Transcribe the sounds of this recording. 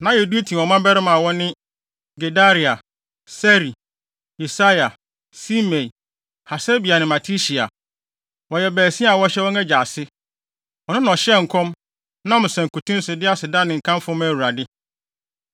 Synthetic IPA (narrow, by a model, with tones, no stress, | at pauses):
nã˨˦je˨du˦e˦tʰĩ˨ɔ˨mã˦bɛ˦ɾɪ˦mã˨wɔ˦nɪ̃˦ | ɡe˨da˦ɾi˨a˨ | sɛ˦ɾi˨ | i˨sa˦ja˨ | si˦mẽ˨ | ha˨se˦bi˨a˨nɪ̃˨ma˨tʰi˦ɕi˨a̰˨ | wɔ˨jɛ˨bæː˨sĩ˦a˨wɔ˦ɕɛ˦wɔ˦nɛ˦d͡ʑa˨sɪ˦ | wɔ˨nʊ̃˦n˨ɔ˨ɕɛ˦ŋ̩˨kʰɔ̃˦m | nã˦mʊ̃˨sɛ̃˨ŋ˨ku˨tʰũ˦n̩˦sʊ˨dɪ˦a˦˨sɪ˨da˦nɪ̃˨ŋ̩˨kʰã˦m˦fʊ˦mæ˨wu˨ɾa˨dɪ˦